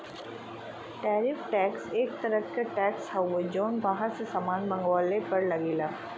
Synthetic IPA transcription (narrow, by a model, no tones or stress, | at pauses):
ʈɛːɾɪfʈɛːkseːk̚t̪ɐɾəkeʈɛːkshɐʋod͡ʒoːnbaɦãsesamaːnbɐ̃ŋɡwaːlepɐɾlɐɡeːlaː